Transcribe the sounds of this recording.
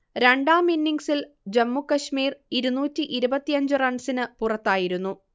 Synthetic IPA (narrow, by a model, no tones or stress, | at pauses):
ɾeɳɖaːminːiŋɡsil | d͡ʑɐmːukːɐɕmiːriɾunuːtːiʔiɾubɐt̪ːijɐɲd͡ʑɨrɐɳɖsinɨpurɐt̪ːaːjiɾunːu